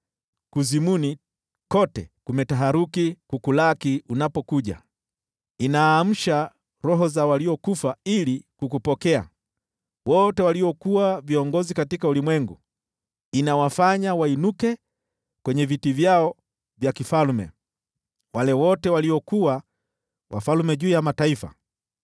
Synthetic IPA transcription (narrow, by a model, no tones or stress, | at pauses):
kuzimuni | kɔtɛ̰kumɛtaɦaɾukikukulakiunapɔkuʄa̰ | inaːm̩ʃa | ɾɔɦɔzawaliɔkufailikukupɔkɛa̰ | wɔtɛwaliɔkuwaviɔŋɡɔzikatikaulimwɛŋɡu | inawafaɲawainukɛ | kwɛɲɛvitivjaɔ | vjakifalmɛ̰ | walɛwɔtɛwaliɔkuwa | wʔa̰falmɛʄuːjamataifa̰